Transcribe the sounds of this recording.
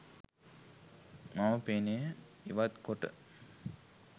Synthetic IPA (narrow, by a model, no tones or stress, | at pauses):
maməpeːnejə | iʋat̪koʈə̰